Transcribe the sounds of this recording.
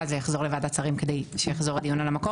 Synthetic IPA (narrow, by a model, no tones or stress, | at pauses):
zejaχzo̞ʁlevad̪at͡saʁimked̪ejʃejaχzo̞ʁad̪ijunalamako